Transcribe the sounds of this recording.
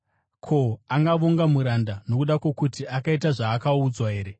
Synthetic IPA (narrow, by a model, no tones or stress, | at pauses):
kʰo̞aŋɡaʋoŋɡamuɾandano̞kuɗakwo̞kutiakaitaʐaːkaud͡zwaɦe̞ːɾe̞